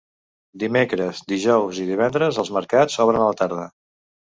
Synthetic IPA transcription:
d̪imekɾəzd̪iʒɔwziðiβ̞ɛnd̪ɾəzəlˠzməɾkat͡sːɔβɾənələt̪aɾð̞ə

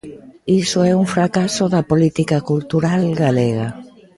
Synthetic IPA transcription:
isoɛuŋfɾakasoðɐpolit̪ikakult̪uɾalɡaleɣ̞a

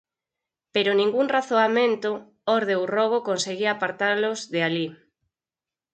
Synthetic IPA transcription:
peɾonĩŋɡuŋraθoamẽnt̪o | ɔɾðewrɔɣ̞okonseɣiapaɾt̪aɾlozðeali

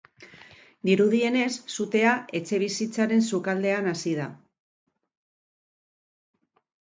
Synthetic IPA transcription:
d̪iɾuð̞ie̞ne̞sːut̪e̞ae̞t͡ʃe̞β̞isit͡saɾe̞nsukald̪e̞anasið̞a

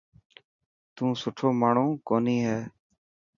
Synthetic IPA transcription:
t̪ũːsʊʈʰoːmaːɳũːkoːniːɦɛː

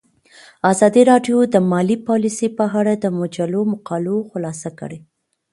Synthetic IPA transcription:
azɑd̪iɾɑɖjod̪əmɑlipɑlisepəɦaɽad̪əmʊd͡ʒalomʊqɑloxʊlɑsakə̰ɽe

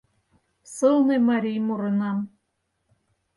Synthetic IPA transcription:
sɤlˠnɤmɑɾʲijmuɾɤ̆nɑm

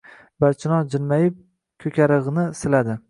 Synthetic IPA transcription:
baɾt͡ʃʰɪnɒd͡ʒɪlmajɪp̚ | kʲʰɵkʲʰaɾɨʁnɪsɪlad̪ɪ

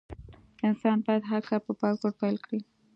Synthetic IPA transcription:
ɪnsɑnpɑjad̪ɦaɾkɑɾpəpɑk̚ɡoɽ̚pajlkɽi

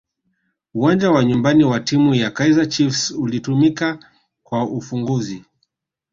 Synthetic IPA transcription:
uwand͡ʒawaɲumbaniwatimujakaizat͡ʃifsulitumika | kwaufuŋɡuzi

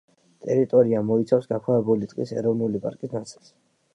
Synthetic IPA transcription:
t̪ʼɛɾit̪ʼɔɾiamɔit̪sʰafsɡakʰwavɛbulit̪sʼqʼḭsɛ̰ɾɔvnulipʼa̰ɾkʼisnat̪sʰi̥ls

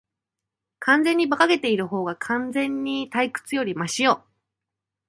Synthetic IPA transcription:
kʰãnd͡zẽ̞ɲ̟ːibakaɡe̞t̪e̞iɾɯ̟ɦo̞ːɡakʰãnd͡zẽ̞ɲ̟ːit̪aikɯ̟̥t͡sɨjo̞ɾʲimaɕijoː

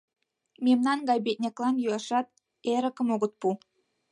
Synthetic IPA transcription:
mʲemnɑnɡɑjbet̪̚ʲnʲeklɑnjuɑʃɑt̪̚ | eɾə̆kə̆moɣə̆t̪̚pu

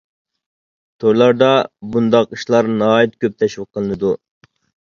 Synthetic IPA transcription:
t̪ʰoɾlˠɑɾd̪ɑbund̪ɑqiʃlˠɑɾnɑːit̪̚kʲøp̚t̪ʰɛʃwəqʰːəlˠɨnɨd̪u

